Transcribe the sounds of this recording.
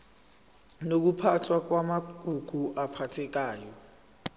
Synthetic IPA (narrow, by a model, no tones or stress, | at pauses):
nok̬upʰatʰwak̬wamaɡɡ̥ʱuɡ̥ʱuʔapʰatʰɛk̬aːjɔ